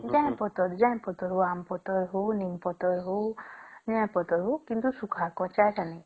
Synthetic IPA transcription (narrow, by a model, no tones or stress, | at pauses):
d͡ʒãpɔt̪ɔɾd͡ʒãj̃pɔt̪ɔɾɦoampɔt̪ɔɾɦonimpɔt̪ɔɾɦonãpɔt̪ɔɾɦokint̪usukʰakɔ̃t͡ʃatani